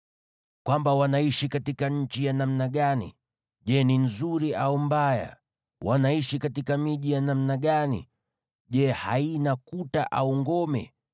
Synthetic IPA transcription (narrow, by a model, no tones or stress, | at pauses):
kwambawanaiʃikatikaɲ̩t͡ʃijanamnaɠanḭ | ʄɛninzuɾiʔaumbaja̰ | wʔanaiʃikatikamiʄijanamnaɠanḭ | ʄɛhainakuta̰ʔa̰uŋɡɔmɛ̰